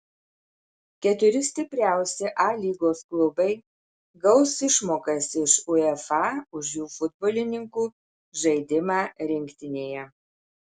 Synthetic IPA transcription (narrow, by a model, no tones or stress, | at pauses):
kʲɛt̪ʲʊɾʲɪsʲt̪ʲɪpʲɾʲæˑʊsʲɛʔɑːlʲiːɡoːsklˠʊbɐɪ | ɡɒʊsɪʃmoːkɐsɪʃʊɛfɑːʊʃjuːfʊd̪boːlʲɪnʲɪŋkuː | ʒɐɪd̪ʲɪmɑːɾʲɪŋʲkʲt̪ʲɪnʲeːjɛ